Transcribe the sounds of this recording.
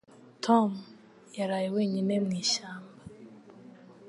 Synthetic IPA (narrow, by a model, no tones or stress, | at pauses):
tʰɔm | jaɾajiweːɲinemŋiːʃaːmba